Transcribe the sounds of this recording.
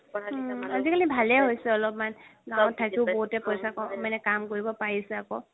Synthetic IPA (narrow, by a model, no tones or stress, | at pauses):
azikalibʱalɛɦojsɛɔlɔpmanɡaw̃tʰːakiʊboɦutɛpɔjsakɔmanɛkamkoɹibɔpaɹisɛakɔ